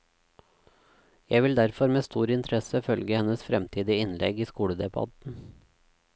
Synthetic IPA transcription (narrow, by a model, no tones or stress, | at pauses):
jæɪʋɪld̪æɾfɔɾmeːst̪uːɾɪnt̪ʰɾɛsəfœlɡəhɛnəsfɾɛmt̪ʰiːd̪ɪɪnlʔɛɡiːskuːɽəd̪ɛbɑ̰d̪n̩